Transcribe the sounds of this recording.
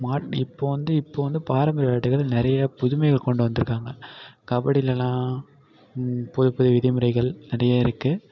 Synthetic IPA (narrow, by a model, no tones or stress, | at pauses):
maːʈɪpːoːʋɐnd̪ɯɪpːoːʋɐnd̪ɯpaːɾɐmbɐɾɐjaːʈːɯɣɐɭnɪɾɐjɐpʊðʊmɐɪɣɐɭkɔɳɖɯʋɐnd̪ɯɾɯkːaːŋɡɐkɐbɐɽɪlɛlãː | pʊðɯpːɐðɯʋɪðɐmɯɾɐɪɣɐɭnɪɾɐjaːɪɾɯkːɯ